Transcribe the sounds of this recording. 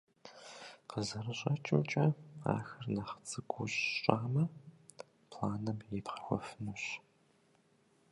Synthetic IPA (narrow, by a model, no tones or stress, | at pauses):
qəzɐɾɨɕʼɐt͡ʃʼɪmt͡ʃʼɐa̰ːxɐrnɐχt͡sʼɨɡʷʊɕɕʼaːmɐ | pʰlaːnɐmjepqɐ̥xʷɔ̰fɨnɨɕ